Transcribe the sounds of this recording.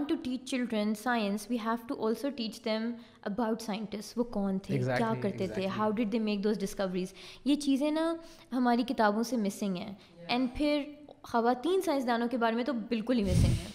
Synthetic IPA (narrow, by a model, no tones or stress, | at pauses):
ɔ̃ɳʈuʈiːt͡ʃt͡ʃɪlɖɾə̃nsaːɪə̃nsʋiːɦɛːʋʈuʔɔːlsoːʈiːt͡ʃd̪ɛ̃m | əbaʊʈsaːjə̃ɳʈɪsʈʋoːkɔːnt̪ʰekjaːkɐɾt̪et̪ʰeɦaʊɖɪɖ̚d̪eːmeːk̚d̪oːzɖɪskɐʋəɾiːzjet͡ʃiːzẽnɐ | ɦɐmaːɾikɪt̪aːbõsemɪsɪ̃ŋɡɦɛ̰̃ː | ɛ̃ːɳɖpʰɪɾxɐʋaːt̪iːnsaːjɪ̃ns̬d̪aːnõkebaːɾemẽt̪obɪlkʊlɦimɪsɪ̃ŋɡɦɛ̃ː